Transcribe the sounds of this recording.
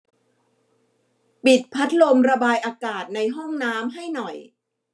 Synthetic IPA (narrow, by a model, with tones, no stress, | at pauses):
pi˨˩t̪̚pʰa˦˥t̪̚lo˧mɾa˧baː˧jʔaː˧kaː˨˩t̪̚na˧jɦɔ˥˩ŋnaː˦˥mɦa˥˩jnɔ˨˩j